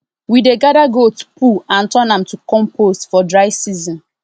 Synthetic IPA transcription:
wideɡadaɡotu̥puãntɔnãmtukɔ̃mpʰostfɔdɹaɪsizɔ̃n

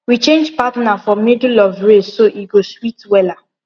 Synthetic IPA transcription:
wit͡ʃẽnd͡ʒpatnafɔmidlɔvɹessoʔiɡoswitwɛla

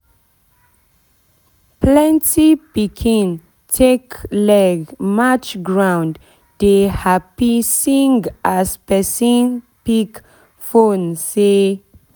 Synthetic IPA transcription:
plɛ̃ntipikʰĩn | tʰeklɛɡmat͡ʃɡɹãw̃nd | dehapisĩŋɡʔaspɛsĩn | pik | fõnse

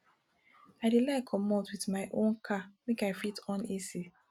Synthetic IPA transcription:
aɪdilaɪkʰɔmɔtwiθmaɪʔõnkʰamekaɪfitɔ̃nisi

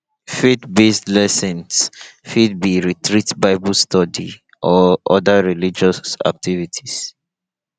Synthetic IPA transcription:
fitbestlɛsɛ̃nsfid̚biɹitɹitbaɪbəlstɔdḭ | ʔɔʔɔdaɹilid͡ʒɔsa̰k̚tʰivitʰi̥s

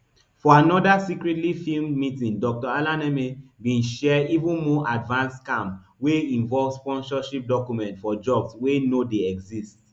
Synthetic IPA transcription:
fɔanɔdasikɹɛtlifilmmitĩndɔk̚tɔalãnɛmebĩnʃɛivũnmɔʔadvãnskãm | weĩnvɔlvspɔ̃nsɔʃip̚dɔkjumɛ̃ntfɔd͡ʒɔbswenodeɛɡzist

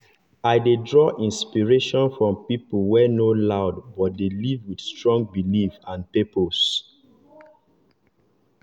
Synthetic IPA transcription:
aɪdedɹɔʔĩnspiɹeʃɔ̃nfɹɔ̃mpipəlwɛnolaʊdbɔt̚delivwid̥stɹɔ̃ŋɡ̚bilifãnpepos

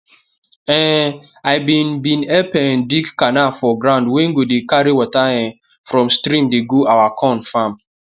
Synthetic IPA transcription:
ɛ̃ | aɪbĩnbĩnɛpɛndiɡkanafɔɡɾãndwẽŋ̩ɡodekaɾiwɔtaɛ̃ | fɾɔ̃mstɾĩmdeɡoawakʰɔ̃nfam

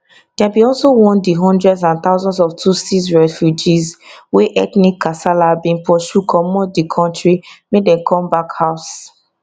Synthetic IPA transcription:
d̥ɛbiɔlsowɔ̃ndiɦɔ̃ndɹɛdsãnt̪aʊzɔ̃nsɔftʰusisɹɛfjud͡ʒizweʔɛt̪nikʰːasalabĩnpɔʃukʰɔmɔdikʰɔ̃ntɹimedɛ̃nkʰɔ̃mbakhaʊs

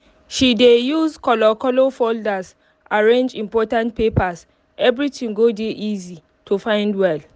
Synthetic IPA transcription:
ʃidejuzkɔlɔkɔlofoldas | ʔaɹẽnd͡ʒĩmpɔtãntpepas | ɛvɹitʰĩŋɡodeʔizi | tʰofãɪ̃ndwɛl

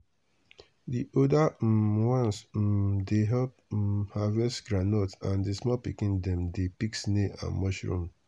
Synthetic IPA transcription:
diʔodawɔ̃ns̩deɦɛp̩̚havɛsɡɹanɔtãndismɔpikĩndɛ̃mdepiksneã̰nmɔʃɹṵ̃m

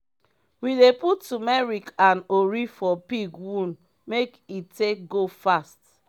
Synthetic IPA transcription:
wideputːumɛɹikãnoɹifɔpiɡwũn | mekitek̚ɡofast

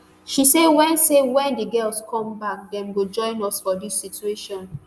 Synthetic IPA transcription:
ʃisewɛ̃nsewɛ̃ndəɡɜlskʰɔ̃mbak̚dɛ̃mɡod͡ʒɔ̃ɪ̃nɔsfɔdisːitueʃɔ̃n

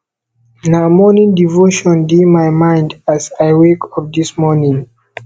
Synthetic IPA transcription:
namɔnĩŋdivoʃɔ̃ndimajmãɪ̃ndazajwekʰɔvd̪ismɔnĩŋ

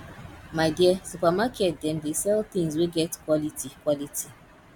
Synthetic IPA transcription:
maɪdisupamakʰɛt̚dɛ̃ndesɛlθĩŋzweɡɛtkwɔlitʰikwɔlitʰi

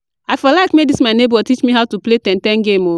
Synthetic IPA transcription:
ajfɔlakmedismaɪnebɔtit͡ʃmiɦaʊtupletɛ̃ntɛ̃nɡẽmo

